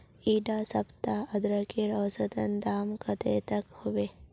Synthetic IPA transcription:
iːɖasɐpt̪aɐd̪ɾɐkiɾɐʋsət̪ɐnd̪aːmkɐt̪ḛːt̪ɐkhuʋe

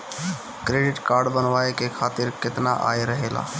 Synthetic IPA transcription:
kɾeːɖɪʈkaːɾɖbənʋaːekekʰaːt̪ɪɾkɪt̪na̰ʔa̰ːeɾɐɦeːla̰ː

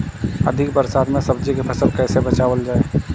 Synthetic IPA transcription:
ə̰d̪ʱɪkbəɾsaːd̪mẽsəbd͡ʒikepʰɐsəlkɛːsebɐt͡ʃaːʋəld͡ʒaːeː

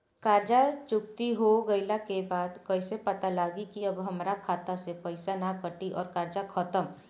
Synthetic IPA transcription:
kaːɾd͡ʒat͡ʃʊk̚t̪iɦoɡəɪlakebaːd̪kəɪsepət̪alaːɡikiəbɦəmɾakʰaːt̪asepəɪsanakəʈiʔɔːɾkaɾd͡ʒakʰət̪əm

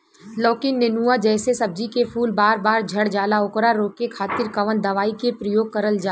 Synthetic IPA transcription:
lɔːkɪnnenuːad͡ʒɛːsesɐb̚d͡ʒikepʰuːlbaːɾbaːɾd͡ʒʱɐɽd͡ʒaːlaʊkɾaɾoːkekʰaːt̪ɪɾkɐʋənd̪ɐʋaːikepɾəjoːɡ̚kəɾəld͡ʒaː

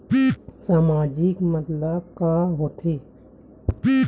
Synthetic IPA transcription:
saːmaːd͡ʒikmət̪lakaɦoːt̪ʰeː

